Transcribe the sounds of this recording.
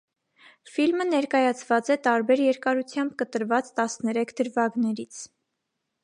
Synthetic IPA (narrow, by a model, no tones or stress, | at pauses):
filmənɛɾkɑjɑt͡sʰv̥ɑt͡sɛt̪ɑɾbɛɾjɛɾkɑɾut͡sʰjɑmbkət̪əɾvɑt͡st̪ɑsnɛɾɛkʰd̪əɾvɑɡnɛɾit͡sʰ